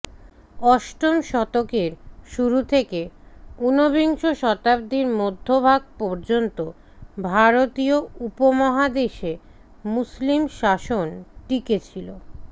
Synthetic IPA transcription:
ɔʃʈomʃɔt̪okeɾʃuɾut̪ʰekeunobiŋʃoʃɔt̪ab̚d̪iɾmod̪ʱːobʱaɡ̚pɔɾd͡ʑont̪o | bʱaɾot̪ioupomɔɦad̪eʃe | muslimʃaʃonʈiket͡ɕʰilo

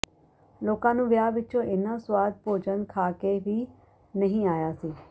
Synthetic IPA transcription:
loːkãːnũːʋɪjaːʋɪt͡ʃõːʔɪnãːswaːd̪̚poːd͡ʒənkʰaːkeːʋiː | nəɦĩːaːjaːsiː

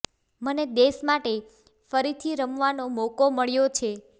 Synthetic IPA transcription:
məned̪eʃmaʈe | fəɾit̪ʰiɾəmʋanomokoməɭjot͡ʃʰe

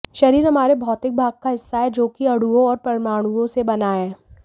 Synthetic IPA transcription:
ʃɐɾiːɾɦɐmaːɾebʱɔːt̪ɪk̚bʱaːɡ̚kaɦɪsːaɦɛd͡ʒoːkiɐɽuõɔːɾpɐɾɪmaːɽ̃uõsebɐnaːɛː

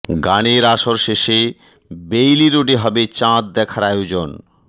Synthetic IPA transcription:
ɡaneɾaʃoɾʃeʃe | bejliɾoɖiɦɔbet͡ɕãt̪̚d̪ɛkʰaɾajod͡ʑon

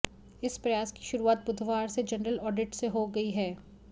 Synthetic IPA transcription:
ɪspɾɐjaːski̥ʃʊɾuaːt̪̚bʊd̪ʱʋaːɾsed͡ʒɐnɾəlɔːɖɪʈseɦoɡɐiɦɛː

